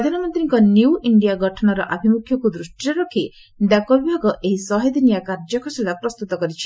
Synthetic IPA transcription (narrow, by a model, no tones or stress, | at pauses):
pɾɾɔd̪ʱanɔmɔnt̪ɾiŋkɔnjuwʔiɳɖijaɡʱɔʈʰɔnɔɾɔʔabʱimukʰjɔkud̪ɾusʈiɔɾɔkʰi | d̪akɔbibʱaɡɔʔeɦisɔɦejd̪inijakaɾd͡ʒɔkʰɔsilapɾɔst̪ut̪ɔkɔɾit͡ʃʰi̥